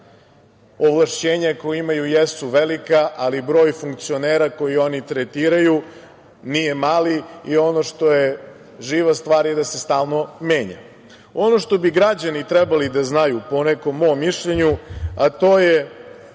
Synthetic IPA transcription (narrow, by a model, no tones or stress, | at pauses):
oʋlˠaʃt͡ɕe̞ːɲakojimajujesuʋelikaʔalibɾo̞ːjfuŋk̚t̪sio̞neːɾako̞jio̞nit̪ɾet̪iːɾaju | nije̞maːliio̞no̞ʂt̪o̞je | ʒiːʋast̪ʋaːɾjed̪ase̞st̪aːlˠno̞me̞ːɲa̰ | o̞no̞ʃt̪o̞biɡɾad͡ʑanit̪ɾɛbalid̪aznajupo̞neko̞mːomːiʃʎeɲuat̪o̞ːje